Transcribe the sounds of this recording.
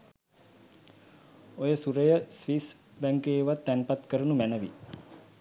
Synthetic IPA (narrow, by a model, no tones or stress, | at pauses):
ojəsuɾəjəsʋisbæŋkeːʋat̪ːænpat̪kəɾənumænəʋi